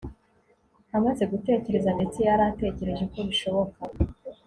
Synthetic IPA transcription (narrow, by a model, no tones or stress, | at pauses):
hamaze̞ɡute̞ːce̞ɾe̞zande̞t͡sijaɾate̞ːce̞ɾe̞ʒe̞ko̞βiʃo̞βo̞ka